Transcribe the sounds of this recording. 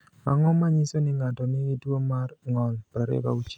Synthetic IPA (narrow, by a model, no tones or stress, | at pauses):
a̰ŋɔmaɲisonɪŋatɔnɪɡɪtwomarŋɔlpɾaɾɛ̰ba̰ut͡ʃi